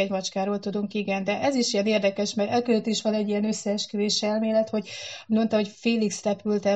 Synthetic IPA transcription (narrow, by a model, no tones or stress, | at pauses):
ɛɟmɒt͡ʃkaːɾoːlt̪ud̪uŋkiɡɛnd̪ɛʔɛziʃijɛneːrd̪ɛkɛʃmɛɡɛlkøløt̪iʃʋɒnɛɟːijɛnøsːɛːʃkyveːʃɛlmeːlɛt̪ho̞ɟmo̞nt̪ɒɦo̞cfeːliksrɛpylt̪ɛ